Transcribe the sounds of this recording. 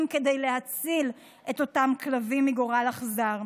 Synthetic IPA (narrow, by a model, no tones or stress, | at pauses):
mke̞dejle̞hat͡sil | ʔe̞to̞tamklavimiɡoʁalaχzaʁ